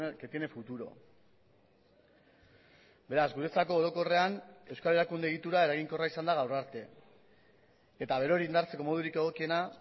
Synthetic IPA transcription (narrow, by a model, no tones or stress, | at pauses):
ket̪ienefut̪uɾo̞̰ | be̞ɾazɡuɾe̞t͡sako̞ːɾo̞ko̞re̞ane̞wskale̞ɾakund̪eɣit̪uɾae̞ɾaɣiŋko̞raisand̪aɣawraɾt̪e̞ | et̪aβ̞e̞ɾo̞ɾiːnd̪aɾt͡se̞ko̞mo̞ð̞uɾike̞ɣ̞o̞kie̞na